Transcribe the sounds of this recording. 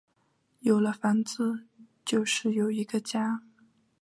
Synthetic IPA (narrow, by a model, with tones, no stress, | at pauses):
jo˨˩ʊlə˦fa˧˥nt͡sɹ̩˥˩t͡ɕjo˥˧ʊʂɻ̩˥˩jo˨˩ʊi˧˥ɡə˧t͡ɕja˥